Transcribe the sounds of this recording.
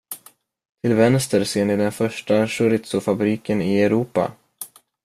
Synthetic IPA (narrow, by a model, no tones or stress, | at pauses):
t̪ʰɪlvɛnst̪əɾseːɳɪd̪ɛnfœʂʈaʂɵɾɪt̪sʊfabɾiːkənɪɛɾuːpa̰